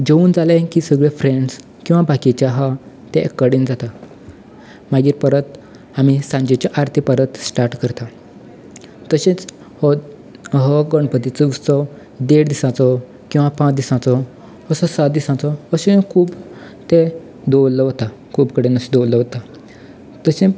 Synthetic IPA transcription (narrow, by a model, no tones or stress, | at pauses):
d͡ʑeuːnd͡zalẽkisəɡɭefɾeɳɖs | kĩw̃ʋabakit͡ɕjaɦa | t̪eʔekːəɽind͡zat̪a | maɡiːɾpəɾət̪ | amisãɲd͡ʑet͡ɕjaʔaɾt̪ʰipəɾət̪sʈaɾʈkəɾt̪a | t̪əɕẽt͡s | h | ɦɔɡəɳpət̪it͡səut͡sɔ | d̪eɽd̪isãt͡sɔ | kĩw̃ʋãpãt͡sd̪isãt͡sɔ | əsɔsat̪̚d̪isãt͡sɔəɕikʰuːb | t̪e | d̪owlːəɦɔt̪akʰuːpkəɽenəsid̪ɔwləʋot̪a | t̪əɕẽ